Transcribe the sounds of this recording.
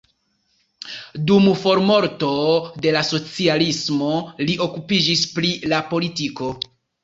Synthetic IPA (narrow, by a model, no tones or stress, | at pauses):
dumfo̞ɾmo̞ɾto̞de̞laso̞t͡sialismo̞liʔo̞kupid͡ʒispɾilapo̞litiko̞